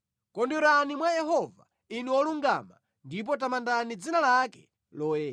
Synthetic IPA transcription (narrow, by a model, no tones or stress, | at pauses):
kɔnduɾanimwajɛɦɔva̰ | inɛwɔluŋɡa̰ma̰ | ndip̬ɔt̬amandanid͡zinalakɛ̰ | lɔːjɛː